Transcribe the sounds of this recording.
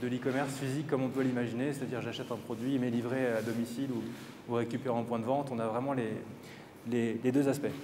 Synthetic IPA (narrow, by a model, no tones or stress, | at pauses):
d̪əlikɔmɛʁsfizikːɔmɔ̃pwalimaʒineset̪ad̪iʁʒaʃɛt̪ɛ̃pχɔd̪ɥimelivʁead̪ɔmisilu | uʁekʲypeʁ̃ɛ̃pwɛ̃d̪əvɑ̃t̪ɔ̃navʁɛmɑ̃le | leled̪øzaspɛ